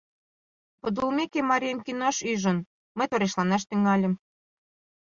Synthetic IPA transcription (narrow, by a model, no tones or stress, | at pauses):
pŏd̪ulmekemɑɾʲiemkinoʃyʒə̆n | mə̆jt̪oɾeʃlɑnɑʃ̬t̪yŋɑlʲĕm